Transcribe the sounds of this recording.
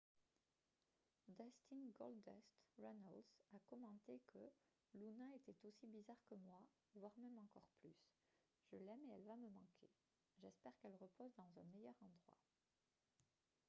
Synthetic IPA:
d̪ɛst̪inɡɔld̪ɛst̪ʁɔnɔlsakɔmɑ̃t̪ekʰə | lunɛ̃et̪ɛt̪osibizaʁkəmwa | vwaʁmɛmɑ̃kɔʁplys | ʒ̥əlɛmeɛlvaməmɑ̃kʰe | ʒɛspɛʁkɛlʁəpozd̪ɑ̃zɛ̃mɛjœʁɑ̃d̪ʁwa̰

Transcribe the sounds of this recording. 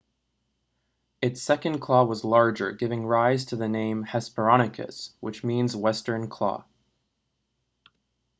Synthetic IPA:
ɨtsɛkɨ̃nkʰl̥ɔwʌzlɑɹd͡ʒə̰˞ɡɪvɪ̃ŋɹaɪz̥tʰɨðɨnẽɪ̃mhɛspə˞ɑɾ̃ɨkʰɨ̰swɨt͡ʃmĩnzwɛstə̃˞nkʰl̥ɔ̰

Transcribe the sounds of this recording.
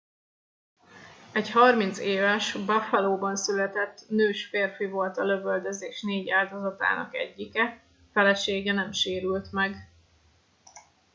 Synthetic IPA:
ɛɟhɒrmint̪seːvɛʃbɒfɛloːbɒnsylɛt̪ɛt̪ːnøːʃfeːrfivo̞lt̪ɒløvøld̪øzeːʃneːɟaːld̪ozɒt̪a̰ːnɒ̰kɛ̰ɟːikɛ | fɛlɛʃeːɡɛnɛmʃeːɾylt̪mɛɡ

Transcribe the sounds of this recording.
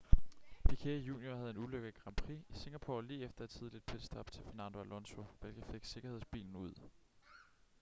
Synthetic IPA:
ʋ̥ikʰeɐijṵːnjohæð̞ˠe̝nuløɡ̥əð̩ˠɡ̥ʁɑ̈mpʰʁiise̝ŋ̥æpʰo̝̰liːefd̥ɐæ̥t͡sʰið̞ˠlid̥̚pʰe̝dsd̥ɑb̥̚t͡sʰe̝lfeɐnænd̥oælɔ̽nso̝ʋelɡ̥əfe̝ɡ̥se̝ɡ̥ɐhe̝ð̞̰ˠsb̥ḭːln̩uð̞̰ˠ

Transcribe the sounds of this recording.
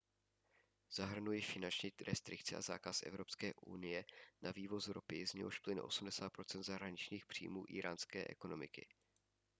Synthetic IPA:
z̥aɦr̩nujɪfɪnant͡ʃɲiːɾʔɛst̪ɾɪk̚t͡sɪʔa̰za̰ːkasʔɛ̰vɾo̞pskɛːʔṵnɪjɛnaviːvo̞zɾopɪzɲɛoʃplɪn̰ʔo̞̰sumdɛsaːt̪pɾo̞t͡sɛnd̪zaɦɾaɲɪt͡ʃɲiːxpr̥ḭːmṵːʔḭːɾaːnskɛːʔɛ̰ko̞no̞mɪkɪ̰

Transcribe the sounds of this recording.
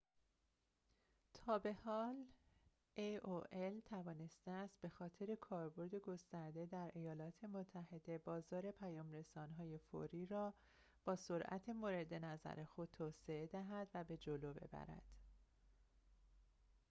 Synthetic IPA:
t̪ʰɒːbe̞hɒːl | eoʔelt̪ʰævɒːne̞st̪eæst̪̚b̥e̞xɒːt̪ʰe̞ɾe̞kʰɒːɾbo̞ɾd̪eɡo̞st̪æɾd̪e̞d̪æɾʔe̞jɒːlɒːt̪ʰe̞mot̪ʰːæhe̞d̪e̞bɒːzɒːɾe̞pʰæjɒːmre̞sɒːnɦɒːje̞fo̰ɾiːɾɒː | b̥ɒːso̞ɾʔæ̰t̪ʰemoɾe̞d̪e̞næzæ̰ɾe̞xo̞d̪̚t̪ʰːoːseed̪æɦæd̪væbe̞d͡ʒoloːbe̞̰bæ̰ɾæ̰d̪̥

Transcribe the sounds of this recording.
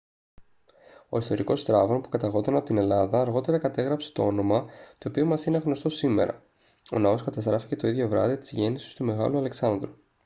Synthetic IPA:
o̞ist̪o̞ɾiko̞st̪ɾɐvo̞npu̥kɐt̪ɐɣo̞t̪ɐnɐpo̞t̪ine̞lɐðɐːɾɣo̞t̪e̞ɾɐkɐt̪e̞ɣɾɐpse̞̥t̪o̞o̞no̞mɐt̪o̞ːpiomɐsineɣno̞st̪osime̞̰ɾɐ̰ | o̞̰nɐo̞skɐt̪ɐst̪ɾɐfi̥ce̞t̪o̞iðʝo̞vɾɐ̰ðit̪izʝe̞nisi̥st̪ume̞ɣɐ̰luɐle̞ksɐnðɾu

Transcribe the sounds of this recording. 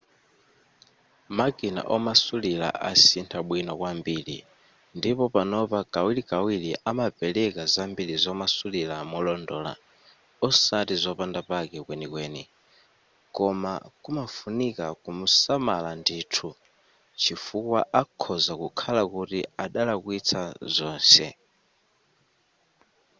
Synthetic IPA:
maɡʼina̰ʔɔmasulila̰ʔasintʰaɓwinɔkwambilḭ | ndipɔpanɔpaɡ̥awilikawiliʔamapɛlɛkazambiɺizɔmasulilamɔlɔndɔːla̰ | ɔsatizɔpandapakɛkwɛnikwɛːni | kɔma̰kumafunikakumusamalandiːtʰu | t͡ʃʰifukwaʔakʰɔzakukʰalakutiaɗalakuit͡sʰazɔːnsɛ̰

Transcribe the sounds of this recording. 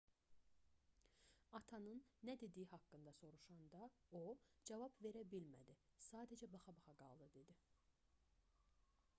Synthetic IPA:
ɑt̪ʰɑnɯnːæd̪e̞d̪ijiɦɑkːɯnd̪ɑso̞ɾuʃɑnd̪ɑod͡ʒɑvɑbve̞ɾæbilmæ̰d̪isɑːd̪æd͡ʒæbɑχɑbɑχɑɡɑ̰lˠd̪ɯd̪e̞d̪i

